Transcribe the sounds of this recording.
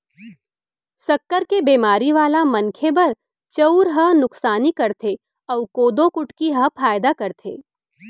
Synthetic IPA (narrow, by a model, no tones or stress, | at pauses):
sɐkːəɾkebeːmaːɾiʋaːlamɐnkʰebɐɾ | t͡ʃɐuɾɦɐɦnʊksaːnikɐɾt̪ʰe | ɔːkoːd̪õkʊʈkiɦɐɦpʰaːjd̪akɐɾt̪ʰḛː